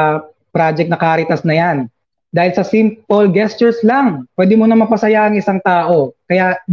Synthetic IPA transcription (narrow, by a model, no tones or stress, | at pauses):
pɾad͡ʒɛk̪̚nɐkaɾɪt̪ɐsnɐjan | d̪aːhɪlsɐsimpolɡɛst͡ʃɛɹslaŋpwɛːd̪ɪmonɐmɐpɐsɐjaʔɐŋɪsaŋt̪aːʔo̞kɐja